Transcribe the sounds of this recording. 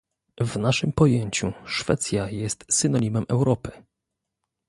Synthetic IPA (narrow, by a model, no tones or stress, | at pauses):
vnaʂɘmpɔjeɲt͡ɕuʂfɛ̰t̪sʲjajɛst̪sɘnɔɲʲimɛmʔɛwɾɔpɘ̥